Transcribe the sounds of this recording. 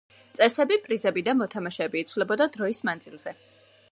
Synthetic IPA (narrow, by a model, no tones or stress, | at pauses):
t̪sʼɛsɛbipʼɾizɛbid̪amɔt̪ʰamaʃɛbiːt̪sʰvlɛbɔd̪ad̪ɾɔismand̪zilˠz̥ɛ